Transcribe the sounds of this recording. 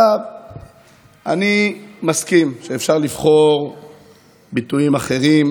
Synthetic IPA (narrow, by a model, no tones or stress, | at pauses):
av | animaskimʃeefʃaʁlivχo̞ʁ | bituimaχe̞ʁim